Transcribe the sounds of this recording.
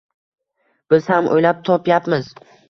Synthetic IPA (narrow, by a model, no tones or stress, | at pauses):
b̥ɪz̥hamʔo̰jlap̚t̪ʰɒpjapmɪz